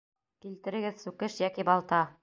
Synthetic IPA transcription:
kilt̪ɘ̆ɾɘ̆ɡɘðsʉkɘʃjækibɑlˠt̪ɑ

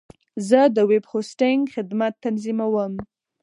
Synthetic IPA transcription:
zəd̪əwebhosʈɪŋɡxɪd̪mat̪ːanzimawəm

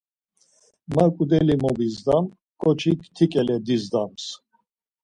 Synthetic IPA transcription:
makʼud̪ɛlimɔbizd̪am | kʼɔt͡ʃʰikt̪ʰikʼɛlɛd̪izd̪ams

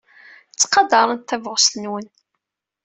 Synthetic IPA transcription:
t͡sːqɑd̪ɑɾˤənt̪ːævʁsnwən

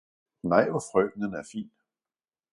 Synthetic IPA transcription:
nɑɪ̰ʋɒfʁœ̰ːd̥nənæɐfḭːn

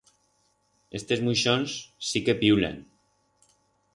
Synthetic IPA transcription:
est̪ezmujʃonssikepiwlḛn

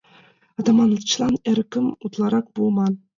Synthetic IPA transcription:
ɑd̪ɑmɑnɤt͡ɕlˠɑnɘ̆ɾkʲɘ̆mut̪lˠɑɾɑqbulˠmɑn

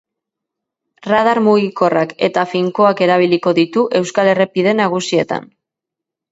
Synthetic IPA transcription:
rað̞aɾmuɣiko̞rake̞t̪afiŋko̞ake̞ɾaβ̞iliko̞ðit̪uʔe̞wskale̞repið̞e̞naɣ̞usie̞t̪a̰n

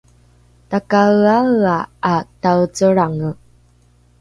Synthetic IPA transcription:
takawaaatawt͡səɾaŋə

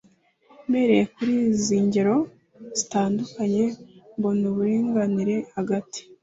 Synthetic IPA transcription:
me̞ɾe̞jekuɾiːziːɲɟeɾo̞ | z̥itaːndukaɲe̞mbonuβuɾiːŋɡaniɾe̞haɡati̥

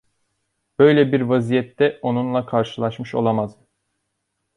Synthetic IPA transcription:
b̥ø̞jlʲɛbiɾvazijɛt̪ːɛo̞nunlˠakʰaɾʃɯlˠaʃmɯʃo̞̰lˠamaz

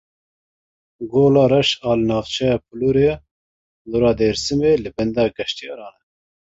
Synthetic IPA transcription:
ɡoːlɑːɾɛʃɑːlɨnɑːvt͡ʃʰɛjɑːp̚ʰɨluɾe | luɾɑːd̪eːɾsɨmeːlɨbɛnd̪ɑːɡɛʃt̪ijɑ̰ːɾɑːnɛ

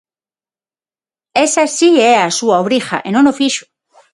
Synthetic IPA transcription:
esasieasuaoβɾixa̰ʔenonofiʃu̥

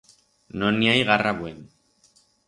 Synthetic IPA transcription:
noniajɣaraβwen

